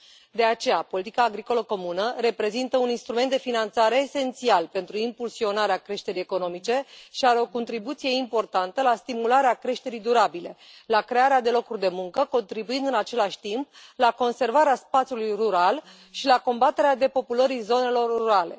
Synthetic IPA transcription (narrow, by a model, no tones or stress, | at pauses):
d̪e̞at͡ʃe̞japo̞lit̪ikaːɡɾiko̞ləko̞munəɾe̞pɾe̞zint̪əuninst̪ɾument̪d̪efinant̪saɾe̞ːse̞nt̪sialpe̞nt̪ɾuimpulsio̞naɾeakɾe̞ʃt̪e̞ɾije̞ko̞no̞mit͡ʃe̞ʃiaɾe̞o̞ko̞nt̪ɾibut̪sije̞impo̞rt̪ant̪əlast̪imulaɾeakɾe̞ʃt̪e̞ɾijd̪uɾabile̞ | lakɾe̞aɾead̪e̞lo̞kurʲd̪e̞muŋkəko̞nt̪ɾibuind̪ɨnat͡ʃe̞laʃʲt̪imp̚lako̞nse̞rvaɾeaspat̪sijulujruɾal | ʃilako̞mbat̪e̞ɾead̪e̞po̞puləɾizo̞ne̞lo̞ruɾale̞̰